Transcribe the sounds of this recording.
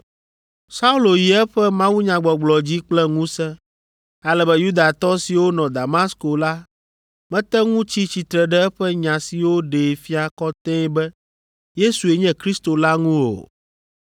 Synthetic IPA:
sa˦u˦lo˨ji˨ɛ˦ɸɛ˦mã˦wu˦ɲã˨ɡ͡bɔ˨ɡ͡blɔ˨d͡ʑi˦k͡plɛ˦ŋũ˦sɛ̃˦ | a˦lɛ˦bɛ˦ju˦d̪a˨t̪ɔ˦si˨wo˦nɔ̃˨d̪a˨ma˦sko˨la˦ | mɛ̃˦t̪ɛ˦ŋũ˦t͡ɕi˦t͡ɕi˨t̪ɾɛ˨ɖɛ˦ɛ˦ɸɛ˦ɲã˨si˨wo˦ɖe˨fi˦a˨kɔ˦t̪ɛ̃˦bɛ˦ | je˦su˨e˨ɲɛ̃˦kɾi˦st̪o˨la˦ŋũ˦o̰˨

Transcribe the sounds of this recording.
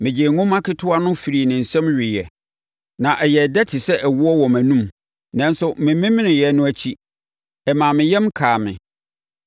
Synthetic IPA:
mɪ̃˨d͡ʑɪ˨ŋʊ̃˦mã˦kʰɪ˦tʰʊ˦a˦nʊ̃˦fi˨ɾi˨nɪ̃˨n̩˨sɛ̃˦mɥᶣɪ˨jɛ˨ | nã˨ʔɛ˨jɛ˨dɛ˦tʰɪ˨sɛ˦ʔɛ˨wʊ˦ɔ˦wɔ˨mæ̃˨nũ˦m | nã˦nsʊ˦mɪ̃˨mɪ̃˦mɪ̃˦nɪ̃˨jɛ˨nʊ̃˦æ˦t͡ɕʰi˦ | ɛ˨mãː˨mɪ̃˨jɛ˦mkʰaː˨mɪ̰̃˨

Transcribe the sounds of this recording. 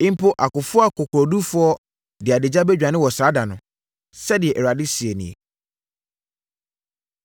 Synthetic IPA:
ɪ̃˦m˦pʰo˦ʔa˨kʊ˨fʊ˦a˦kʰʊ˨kʰʊ˨ɾɔ˨du˦fʊ˦ɔ˦ | dɪ˨a˨dɪ˨d͡ʑa˦bɛ˦d͡ʑᶣã˨nɪ̃˦wɔ˨saː˨˦da˨nʊ̃˨ | sɛ˦dɪ˨ɛ˨ʔɛ˨a˨dɪ˦si˨e˨nḭ̃˨ḛ˨

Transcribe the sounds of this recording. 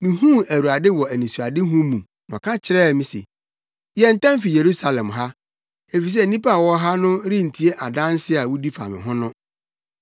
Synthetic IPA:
mĩ˨hũ˦æ˨ɾu˨a˨dɪ˦wɔ˨æ˨nĩ˨su˨a˨dɪ˦ɦũ˦mũ˨ | nɔ̰̃˨kʰã˦t͡ɕʰɪ˦ɾɛ˦˨mĩ˦sḛ˨ | jɛ˨n̩˨tã˦m˦fi˨je˨ɾu˦sa˨lɛ̃˨mɦa˦ | e˨fi˨s̬ɛ˦˨nĩ˦pa˦˨wɔ˦ɦa˦nʊ̃˦ɾɪ̃˦n̩˨tʰi˦e˦ʔa˨dã˦n˦sɪ˦a˨wu˦di˦fa̰˨mɪ̰̃˨ɦʊ̃˦nʊ̃˦

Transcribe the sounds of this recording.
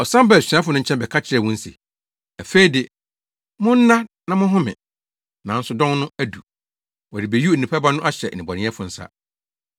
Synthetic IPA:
ɔ˨sã˦mba˦˨sᶣi˨ã˦fʊ˨nʊ̃˦ɲ̩˦t͡ɕʰɛ̃˦mbɛ˨kʰa˦t͡ɕʰɪ˦ɾɛ˨wʊ̃˦n̩˦si˨ | æ˨fe˦i˨de˨ | mʊ̃˦n̩˦nã˦nã˨mʊ̃˦ɦʊ̃˦mɪ̰̃˨ | nã˨n̩˦sʊ˨dɔ̃˦nnʊ̃˦æ˦du˨ | wɔ˨dɪ˨be˨ju˦˨ĩ˨pʰa˦ba˦nʊ̃˦ʔa˦ɕɛ˨nĩ˨bɔ˨nɪ̃˦ɛ˦fʊ˨n̩˦sa̰˦

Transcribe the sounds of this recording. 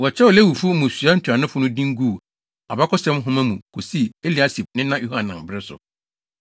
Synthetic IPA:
wɔ˨t͡ɕʰɛ˦wɔ˨le˦wu˨fʊ˦mʊ̃˨sɥa˦n̩˦tʰu˨a˨nʊ̃˦fʊ˦nʊ̃˦dĩ˦ŋ˦ɡu˦˨ | a˨ba˦kʊ˦sɛ̃˦mɦʊ̃˦mã˦mũ˨kʰo˨si˦˨e˦li˨a˦si˨b̚nɪ̃˦nã˦ju˦hã˨nːã˨mbɪ˦ɾɪ˦sʊ̰˨

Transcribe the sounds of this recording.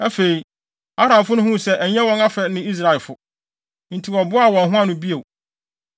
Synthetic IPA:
æ˦fe˨i˨ | a˦ɾã˨fʊ˦nʊ̃˦hʊ̃˦˨sɛ˦ʔæ˨ɲɛ̃˦wɔ̃˦ŋa˦fɛ˨nɪ̃˦i˦s̬ɾa˨ɪ˨lfʊ˨ | n̩˨tʰi˨wɔ˨bʊ˦a˦˨wɔ̃˨n˨ɦʊ̃˦ã˦nʊ̃˦bi˦e˨

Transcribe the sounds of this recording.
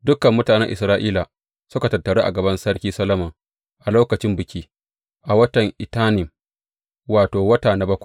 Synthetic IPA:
dʊ˦kɐ˨mːʊ˦taː˨nɛ˦ŋʔɪ̰˨sɾaː˦ʔiː˦la˨ | sʊ˦ka˨tɐ˨tːɐ˨ɽeː˦ʔa̰˨ɡɐ˨bɐ˦nsɐ˦ɽkʲiː˦sɐ˦lɐ˦mɐ˨ŋ | ʔa˨loː˦kɐ˨t͡ʃɪ˦mbɪ˨kʲiː˦ | ʔa˨wɐ˦tɐ˨ŋʔɪ˨taː˦nɪ˨m | waː˨toː˨wɐ˦taː˨na˨bɐ˦kʷḁ˨

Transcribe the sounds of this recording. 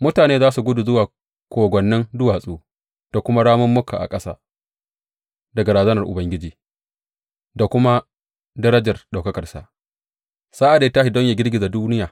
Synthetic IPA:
mʊ˦taː˨neː˦zaː˦su˨ɡʷʊ˦du˨zʊ˦waː˨ | kʷoː˨ɡʷɔ˨nːɪ˦ndʊ˦waː˨sʼuː˦ | d̥a˨kʷʊ˦ma˦ɽaː˦mʊ˦mːʊ˦kʰa̰˨ʔa̰˨kʼɐ˦sa̰ː˦ | dɐ˨ɡa˨ɾaː˨zɐ˦nɐ˨rʔʊ˨bɐ˦ŋɡʲɪ˦d͡ʒiː˨ | da˨kʷʊ˦ma˦ | dɐ˦ɾɐ˦d͡ʒɐ˨rɗa˨wkɐ˦kɐ˨rsa̰˨ʔ | saː˦ʔa˨deː˦ta˦ʃɪ˨dɔ˦ɲjaː˨ɡʲɪ˦rɡʲɪ˨za˨duː˦nɪ˦jaː˨

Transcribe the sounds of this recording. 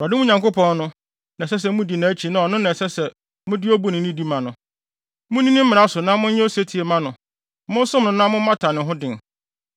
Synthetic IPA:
ɾa˨dɪ˦mũ˦ɲã˨ŋko˦pʰɔ̃˦nnʊ̃˦ | nã˨sɛ˦s̬ɛ˨mʊ̃˦di˨nã˨æ˦t͡ɕʰi˨nã˨ɔ˨nʊ̃˦nã˨sɛ˦sɛ˨ | mʊ̃˦dɪ˦o˦bu˦nɪ̃˨nĩ˦di˦mã˨nʊ̃˨ | mʊ̃˦nĩ˦nɪ̃˦m̩˦mɪ̃˨a˦sʊ˨nã˦mʊ̃˦ɲɛ̃˦o˦se˦tʰi˨e˨mã˦nʊ̃˨ | mʊ̃˦n˦sʊ̃˦mnʊ̃˨nã˦mʊ̃˦m̩˦ã˦tʰa˨nɪ̃˨ɦʊ̃˦dɪ̃˨n

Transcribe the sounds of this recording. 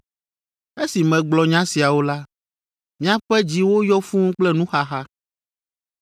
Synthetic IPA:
e˦si˨mɛ̃˨ɡ͡blɔ˨ɲã˦si˨a˨wo˦la˦ | mĩ˦a˦ɸɛ˦d͡ʑi˦wo˦jɔ˦fũ˦k͡plɛ˦nũ˦xa˦xa˦

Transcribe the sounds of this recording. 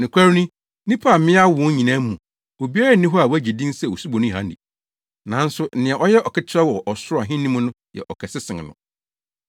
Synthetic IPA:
nɪ̃˨kʷʰa˦ɾnĩ˦ | nĩ˦pʰa˦˨mɪ̃˦a˦wʊ̃˦ɲĩ˨nã˦mũ˨ | o˨bi˦a˦ɾa˦˨˦nĩ˦ɦɔ˦a˨wæ˦d͡ʑi˨dĩ˦nsɛ˨wo˨su˦bɔ˨nʊ̃˦i˨ɦã̰˦ndḭ˨ | nã˨˦n̩˦sʊ˦n̩˦nɪ̃˨ɛ˨ʔɔ˦jɛ˦ʔɔ˨kʰɛ˦t͡ɕʰɪ˦ɾɛ˦wɔ˨ʔɔ˨sʊ˦ɾa˨ɦɪ̃˦nːĩ˦mũ˦nʊ̃˦jɛ̰˨ʔɔ˨kʰɛ˨sɪ˦sɪ̃˨ŋ˨nʊ̰̃˨

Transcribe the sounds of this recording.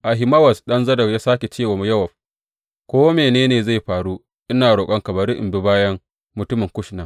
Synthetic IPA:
ʔa˨ɦɪ˨mɐ˦wɐ˨sɗɐ˦nzɐ˦dɐ˨rjaː˦saː˦kʲe˨t͡ʃeː˦˨waː˨mu˦jɐ˦wɐ˨ɸ̚ | kʷoː˦meː˨neː˦neː˨za˦˨jɸaː˨ɽu˦ | ʔɪ˦naː˨ɽoː˨kʼɐ˦ŋkɐ˨bɐ˨ɾɪ˦ʔɪ̰˨mbɪ˦baː˦jɐ˦ŋ | mʊ˨tʊ˦mɪ˨ŋkʷʊ˦ʃna˨

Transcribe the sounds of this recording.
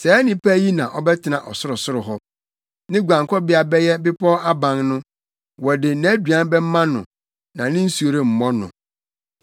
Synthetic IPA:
sɛ˨˦nĩ˨pæ˦ji˦nã˨ʔɔ˦bɛ˦tʰɪ˨nã˨ʔɔ˨sʊ˦ɾʊ˨sʊ˦ɾʊ˨ɦɔ˦ | nɪ̃˦ɡʷã˨ŋkʰɔ˦bɪ˦a˨bɛ˦jɛ˦bɪ˦pʰɔ˦a˦bã˨ŋnʊ̃˦ | wɔ˨dɪ˨nã˦dɥã˦bɛ˦m̩˦mã˦nʊ̰̃˨ | nã˨nɪ̃˦n̩˦su˨˦o˨ɾe˦m̩˨mɔ̃˦nʊ̰̃˨

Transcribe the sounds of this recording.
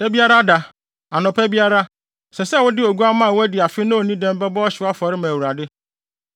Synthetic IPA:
æ˦bi˦a˦ɾa˦da˨ | a˨nʊ̃˨pʰæ˦bi˦a˦ɾa˦ | sɛ˨sɛ˦˨wʊ˦dɪ˦o˨ɡu˦a˦mã˦˨wʊ˦æ˦dɪ˨a˨fɪ˦nʊ̃˦˨nĩ˦dɛ̃˦m˦bɛ˦bɔ˦ɔ˦ɕɪ˨˦a˦fɔ˨ɾɪ˦mã˨wu˨ɾa˨dɪ˦

